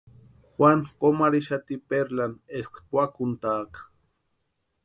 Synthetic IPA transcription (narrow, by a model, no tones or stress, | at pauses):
xwaŋkomaɾiʃat̪ipeɾlaneskpʷakunt̪aːkḁ